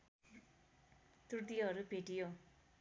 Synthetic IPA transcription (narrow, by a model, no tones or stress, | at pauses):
t̪ut̪iɦʌɾubʱeʈijo